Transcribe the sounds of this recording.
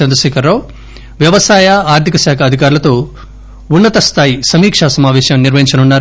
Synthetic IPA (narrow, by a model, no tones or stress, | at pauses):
ɐnd̪ɾɐʃɛːkʰɐɾːaw | ʋjɐʋɐsaːjɐaːɾt̪ikɐʃaːkʰɐd̪ʱikaːɾulɐt̪o̞ː | unːɐt̪ɐst̪ʰaːjisɐmiːkʂaːsɐmaːʋɛːʃɐmniɾʋɐɦiɲt͡ʃɐnunːaːɾ